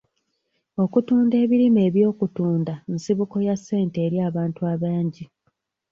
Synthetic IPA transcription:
o̞kutuːnde̞ːβiɾime̞ːβjo̞ːkutuːndansiβuko̞jasːe̞ːnte̞ːɾjaːβaːntuaβaːɲɟi

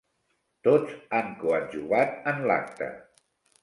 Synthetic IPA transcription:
t̪od͡zaŋkuaʒuɣat̪ənla̰k̚t̪ə̰

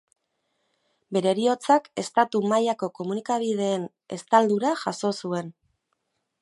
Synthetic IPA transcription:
be̞ɾe̞ɾio̞t͡sake̞st̪at̪umajako̞ko̞munikaβ̞ið̞e̞ːn | e̞̰st̪ald̪uɾaʝaso̞sue̞n

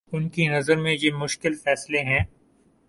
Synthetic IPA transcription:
ʊnkinɐzəɾmẽjemʊʃkɪlfɛːsleɦɛ̃ː

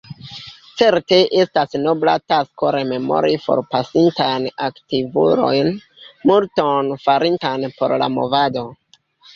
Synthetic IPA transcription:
t͡se̞ɾte̞ʔe̞stasno̞blatasko̞ɾe̞me̞mo̞̰ɾifo̞̰ɾpasintajnaktivṵɾo̞̰jn | multonfaɾintanpo̞̰ɾla̰mo̞̰vado̞

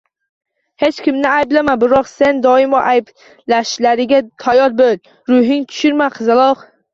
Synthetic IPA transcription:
he̞t͡ʃkʲɪmnɪajblamabɪɾɒqse̞nd̪ɒɪmɒʔajb | laʃlaɾɪɡʲat̪ʰajɒɾ̚bol | ɾʊɦɪŋt̪ʰʊ̥ʃɪɾmaqʰɨzɪlˠɒq

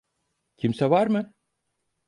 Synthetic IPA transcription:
cʰimsɛvaɾmɯ

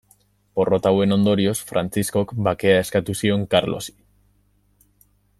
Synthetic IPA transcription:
po̞ro̞t̪awe̞no̞nd̪o̞ɾio̞sfɾant͡sisko̞kbake̞ae̞skat̪usio̞ŋkaɾlo̞̰si̥

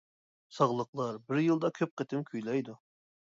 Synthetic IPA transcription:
sɑʁlˠəqlˠɑɾbɪɾjɨlˠd̪ɑkʲʰøp̚qət̪ɪmkʲʰyjlɑjd̪u

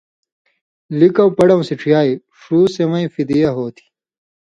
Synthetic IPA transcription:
likɐwpɐɽɐw̃siʈ͡ʂʰijaːi | ʂuːsemɐĩfid̪ijɐɦoːt̪ʰi̥

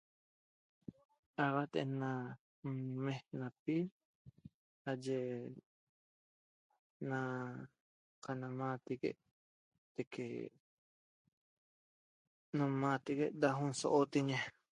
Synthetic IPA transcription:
aβat̪ḛnã | mehnapiɾ | ad͡ʒe | na | kanamãt̪ikḛʔ | d̪̥ekʰḛ | nõmat̪ikeʔd̪aɦũnso̰ʔot̪iɲe

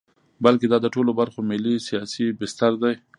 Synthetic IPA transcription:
balked̪ɑd̪əʈolobaɾxomɪlːisijɑsibɪst̪aɾd̪aj

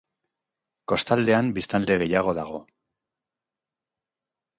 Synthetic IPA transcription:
ko̞st̪ald̪e̞ambist̪and̪e̞ɣe̞jaɣ̞o̞ðaɣ̞o̞

